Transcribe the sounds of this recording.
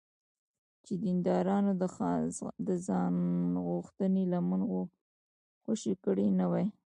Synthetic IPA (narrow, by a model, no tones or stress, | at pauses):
t͡ʃed̪ind̪ɑɾɑno | d̪əzɑnɣuxt̪ənelaman | xoʃikəɽenawaj